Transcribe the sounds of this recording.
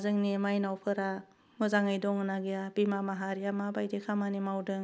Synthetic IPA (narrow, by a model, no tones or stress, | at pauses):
zɯŋnimajnawpʰɯɾa | mɯzaŋɯjdɔŋɯnaɡijabimamaɦaɾijamabajdekʰamanimawdɯŋ